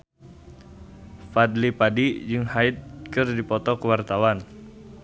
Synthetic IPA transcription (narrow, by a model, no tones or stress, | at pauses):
fad̪lipadid͡ʒɨŋhaɪt̪̚kɨrdipɔt̪ɔkəwart̪awan